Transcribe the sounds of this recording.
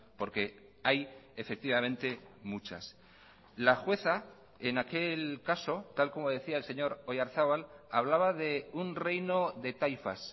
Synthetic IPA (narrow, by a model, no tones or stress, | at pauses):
po̞ɾke̞ | ajefe̞k̚t̪iβamẽnt̪e̞mut͡ʃa̰s | laxwe̞θa | enake̞lkaso̞t̪alko̞mo̞ð̞e̞θiaelse̞ɲo̞ɾojaɾθaβalaβlaβaðe̞unre̞jno̞ðe̞t̪ajfa̰s